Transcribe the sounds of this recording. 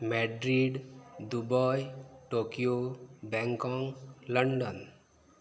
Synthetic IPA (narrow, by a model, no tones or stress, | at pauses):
mɛɖɾiɖd̪ubəjʈokijobɛ̃ŋkɔ̃ŋləɳɖən